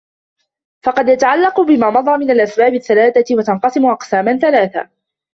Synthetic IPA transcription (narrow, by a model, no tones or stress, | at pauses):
fɑqɑd̪jat̪aʕalːɑqʊbɪmaːmɑdðˤɑːmɪnalʔasbaːbɪθːalaːθawat̪ɑnqɑsɪmʊʔɑqsaːmanθalaːθa̰